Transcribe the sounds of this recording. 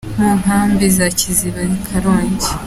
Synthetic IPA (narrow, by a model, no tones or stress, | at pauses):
m̥uːŋɦaːmbizaciziβaikʰaɾoːɲɟi